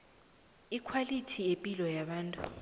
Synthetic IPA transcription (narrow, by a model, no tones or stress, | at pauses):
ikʰwalitʰiepʼilɔjaɓaːntʼṵ